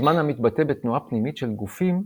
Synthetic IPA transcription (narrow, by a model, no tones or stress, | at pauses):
manhamit̪bat̪ebet̪nuapnimit̪ʃelɡufim